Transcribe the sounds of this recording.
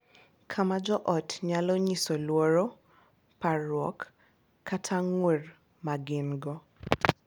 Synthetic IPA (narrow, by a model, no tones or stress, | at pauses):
kʰamad͡ʒɔʔɔtɲalɔɲisɔlwoɾɔ | paɾwɔkʰː | atʰaŋwer | maɡɪnɡɔ